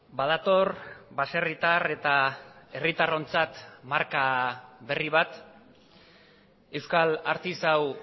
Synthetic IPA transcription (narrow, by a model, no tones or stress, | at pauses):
bað̞at̪o̞rbase̞rit̪are̞t̪ae̞rit̪aro̞nt͡sat̪maɾkaβe̞riβat̪ | e̞wskalaɾt̪isaw